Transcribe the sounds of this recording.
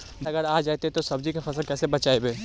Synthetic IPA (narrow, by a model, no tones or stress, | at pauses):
ɐɡəɾaːd͡ʒaːt̪eɦɛt̪osɐb̚d͡ʒikefɐsəlkɛːsebɐt͡ʃaːebeː